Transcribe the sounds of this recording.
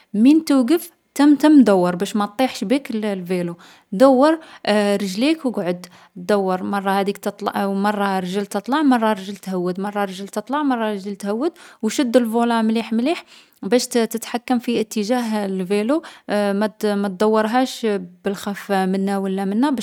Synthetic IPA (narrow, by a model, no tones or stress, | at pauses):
mint̪uwɡəf | t̪əmt̪əmːd̪æwːɑɾˤbæʃmæt̪ˤːiħʃbikllvelo | d̪æwːɑɾˤɾˤəʒlikwɡʕʊd̪ | d̪æwːɑɾˤmɑrˤːɑhæd̪ik̚t̪ət̪ˤlmɑrˤːɑɾˤʒəlt̪ət̪ˤlɑʕmɑrˤːɑɾˤʒəlt̪hæwːəd̪mɑrˤːɑɾˤʒəlt̪ət̪ˤlɑʕmɑrˤːɑɾˤʒəlt̪hæwːəd̪̚wʃəd̪ːəlvulɑmliħmliħ | bæʃtt̪ət̪ħakːəmfiət̪ːəʒæɦlvelomætmæt̪̚d̪æwːəɾˤɦæʃbəlxæfmənːæwəlːæmənːæbæʃ